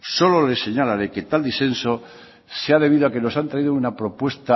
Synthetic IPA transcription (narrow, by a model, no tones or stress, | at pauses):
so̞lo̞le̞se̞ɲalaɾeke̞t̪ald̪isθẽ̞nso̞ | seaðe̞β̞iðoake̞no̞sant̪ɾaiðounapɾo̞pwe̞st̪a